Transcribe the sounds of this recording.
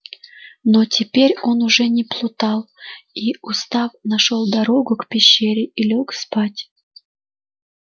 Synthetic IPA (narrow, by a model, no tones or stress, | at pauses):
notʲɪpʲeɾʲo̞nʊʐɛnʲɪplˠʊt̪ɑlˠiʊst̪afnɐʂolˠd̪ɐɾoɡʊkpʲɪɕːeɾʲɪʔilʲokspatʲ